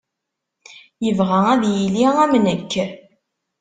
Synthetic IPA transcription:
jəvʁææðjiliæmnəkː

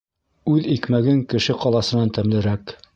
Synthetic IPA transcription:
ʉðikmæɡɘŋkɘ̆ʃɘqɒlˠɑsɤ̆nɑnt̪æmlɘ̆ɾæk

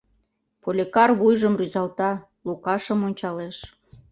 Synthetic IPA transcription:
polʲekɑrβujʒəmryzɑlt̪ɑ | lukɑʃəmonʲt͡ɕɑleʃ

